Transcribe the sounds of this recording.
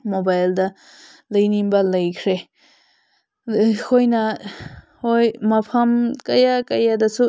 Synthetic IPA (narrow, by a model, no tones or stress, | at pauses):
mobajldɐ | lɐjninbɐlɐjkʰɾe | kʰojnɐ | hojmɐpʰɐmkɐjakɐjadɐsu